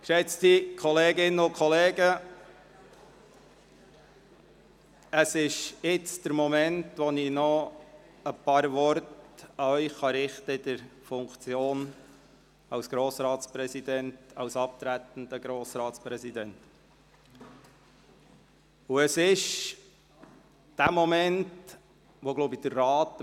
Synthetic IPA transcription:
kʃɛt͡stikʰɔleːɡɪnəʊkʰχɔleːɡə | əsɪʃjɪt͡sd̥̪əɾmɔmɛntʋɔninɔ | əpɑːɾʋɔɾtɑœʏχːɑɾɪχtəɪd̪̥əɾfʊŋkt͡sjoːn | ɑwsɡ̥ɾoːsɾɑːtspɾɛsid̪ɛntɑwsɑp̚t̪ɾæt̪n̩d̪əɡ̥ɾoːsɾɑːtspɾɛsid̪ɛnt | uəsɪʃ | d̥æmɔmɛnt | ʋɔɡ̥loʊbid̥̪ərːɑːt̪

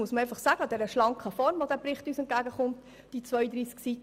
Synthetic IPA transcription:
uəsməɾɛɪfɑχsæːɡəɑdɛɾəʃlɑŋkχəfɔɾmʋɔdæpɾɪχtyːsɛnt̚ɡæːɡəχʊmt | d̥it͡sʋœʏəd̪ɾiːsksit

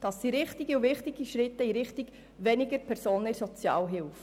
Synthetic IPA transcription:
d̥ɑsːiɾɪχtɪɡiuvɪχtɪɡ̥iʃɾɪtːəiɾɪχtɪɡ | ʋɛnɪɡəɾpʰɛɾsoːnɪɾsɔt͡sjɑ̰ːlɦɪlf

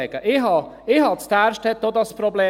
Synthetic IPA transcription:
ɛɡ̥əʔɪhɑ | ɪhɑt͡sd̥æːɾʃtɛt̚dod̪ɑspɾobleː

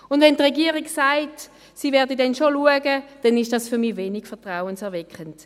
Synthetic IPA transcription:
ʊndvɛntʁɛɡiːʁiksaɪt | siːvɛːɐdidɛnʃoluəɡəd̥ɛnɪʃd̥ɑsfyɐmiːveːnikfɛɐtʁaʊənsɛɐvɛkχənt

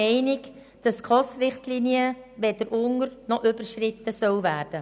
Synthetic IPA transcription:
ɛɪnɪk | d̥ɑskʁɔsrɪχtliːniəʋɛd̥əɾʔʊŋəɾnɔʔʏbəɾʃrɪt̪ːəsœwvæːɾd̥ə

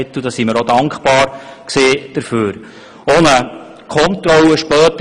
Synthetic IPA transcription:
ɪt̪ːud̥̪ɑsiməɾɔdɑŋkχpɑːɾkseːd̥əɾføːɾ | onə | kʰɔnt̪ɾɔləʃpœːt̪ə

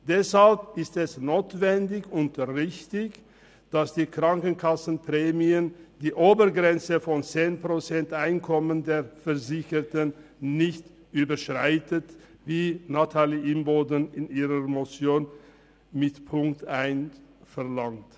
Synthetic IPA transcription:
d̥ɛshalpɪstɛsnoːtv̥ɛndɪçʊntʁɪçtɪç | d̥asd̥iːkʁ̥aŋkənkʰasn̩pʁ̥eːmiənd̥iːʔoːbəɡʁɛnt͡səfɔnt͡seːnpʁ̥ot͡sɛntʔaɪnkʰɔməndeːɐfɛɐzɪçətənː | ɪçt | ʔyːbəʃʁ̥aɪtət | viːnatʰaːliʔɪmboːdənɪniːʁəmot͡sjoːn | mɪtpʰʊŋktaɪnfɛɐlaŋt

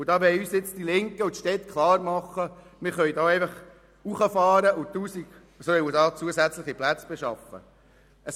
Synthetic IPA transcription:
ʊd̥ɑːbɛjyːsɪt͡sd̥ilɪŋkəʊt̪ʃtɛt̪kʰlɑːɾmɑχːəmɪɾχœʏdɑːɛɪfɑχ | uχəfɑːɾəʔʊt̪uːsiɡ̥ | soɛədɑːt͡suəsæt͡sləχiplæt͡sb̥ɛʃɑ̰fə̰ | əs

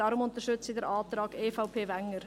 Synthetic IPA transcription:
ɑɾʊmʊntəɾʃʏt͡sɪdɛɾʔɑːt̪ɾɑːɡeːfaʊpʰeːvæŋːəɾ

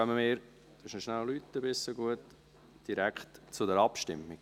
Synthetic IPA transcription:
œməmɪːɾ | d̪̥əʃnəʃnællytːəbɪsːoɡuət | d̥iɾækχtt͡sʊdɛɾɑpʃtɪ̰mɪɡ

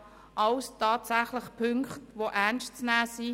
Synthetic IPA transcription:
ʔɑwstʰɑːtsæχlɪχpʰʏŋkχtʋoʔænstt͡snæːsi

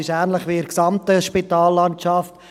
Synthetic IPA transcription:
ɪʃɛːnləχʋiɪɾksɑmt̪əʃpitɑːlːɑntt͡ʃɑft

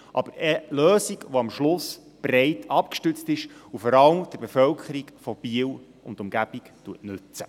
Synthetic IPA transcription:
ʔɑbəɾəløːsiɡʋoɑmʃlʊs | b̥ɾɛɪtʰɑp̚kʃtʉt͡stɪʃufɔɾɑləmd̥əɾbefœlkʰəɾiɡfɔb̥iəl | ʊ̰ndʊmɡ̥æb̥iktuətnʉt͡sə̥

